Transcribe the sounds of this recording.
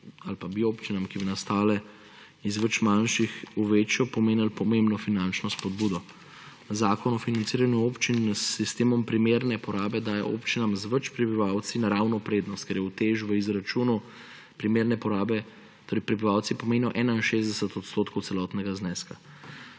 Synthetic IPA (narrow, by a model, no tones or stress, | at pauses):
alpabiopt͡ʃinamkibinast̪aːlɛ | izʋət͡ʃmanʃixuʋeːt͡ʃjɔpɔmeːnilpɔmẽmbnɔfinant͡ʃnɔspɔd̪buːd̪ɔ | zaːkɔnɔfinantsiːɾanjuopt͡ʃinsːist̪eːmɔmpɾimeɾnɛpɔɾaːbɛd̪aːja̰ʔopt͡ʃinamzʋət͡ʃpɾibiʋaw̪sinaɾaːwnɔpɾeːd̪nɔst̪̚kɛɾjɛut̪eːʒʋəizɾat͡ʃuːnu | pɾimeːɾnɛpɔɾaːbɛ | t̪oːɾɛɪjpɾɛbiʋawt̪sipɔmeːnijɔʔɛːnainʃezd̪ɛsət̪ɔt̪st̪oːt̪kɔw̪sɛlɔt̪nɛɡaznɛːska